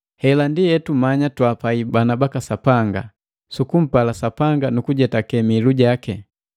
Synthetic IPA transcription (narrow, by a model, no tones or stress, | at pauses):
hɛlandijɛtumaɲatwapaibanabakasapaŋɡa̰ | sukum̩palasapaŋɡanukuɟɛtakɛmiluɟakɛ